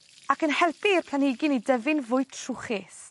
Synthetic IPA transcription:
akənhɛlˠpʰiərpʰlˠanɪɡɪnidɛvɪnvʊɨtʰrʊχɪs

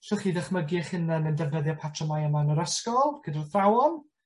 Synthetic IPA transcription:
sʊχidəχməɡɪχɨnənəndɛvnəðjɔpʰatʰrɔmajəmanəɾəskɔlˠɡ̥ədarθrawɔn

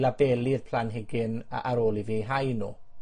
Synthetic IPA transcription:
labɛlirpʰl̥anɦɪɡɪnaɾoːlˠiviːɦajnṵː

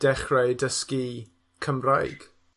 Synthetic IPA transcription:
d̥ɛχrɛjdəski | kʰəmrajɡ̥

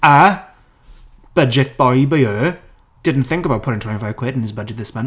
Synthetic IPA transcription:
ə | b̥ʌd͡ʒɨt̚b̥aɪbaɪɜː | d̥ɪdⁿn̩t̪θɪ̃ŋkəbaʊt̚pʰɔɪ̃ntʰwɛ̃nifaɪv̥kʰwɛɾ̃nɨzbʌd͡ʒɨt̪̚ðɪsmʌ̃n

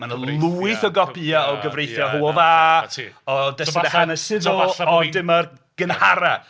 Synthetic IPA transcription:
manəlˠuːɨθɔɡɔpʰiːaɔɡəvrejθjɔɦuɔðaː | ɔdɛsdahanəsɪðʊlɔdɪmər | ɡ̥ənhaɾa

